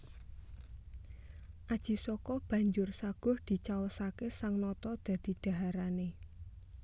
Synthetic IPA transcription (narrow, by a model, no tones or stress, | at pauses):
ʔad̥ʒ̥i̤sɔkɔb̥ä̤ɲd͡ʒʊrsaɡ̥ɔ̤hd̪̥i̤t͡ʃawəsakesaŋnɔt̪ɔd̪̥ä̤d̪̥i̤ɖ̪̥a̤ɦaɾane